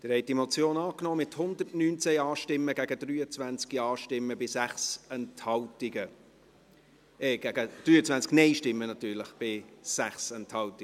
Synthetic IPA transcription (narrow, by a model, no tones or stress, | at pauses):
d̪̥ɪɾhɛɪtimot͡sjoːnɑːknɔːmɪthʊnd̪ərtnyːnt͡sɛɑːʃtɪmːəɡ̥æɡəd̥ryːət͡svænt͡skiɑːʃtɪmːəbɪsæχsɛnthɑltɪɡə | ɛɡ̥æɡəd̥ɾyːət͡svænt͡sknɛɪʃtɪmːənɑt̪yːɾləχb̥ɪsæχsɛnthɑltɪ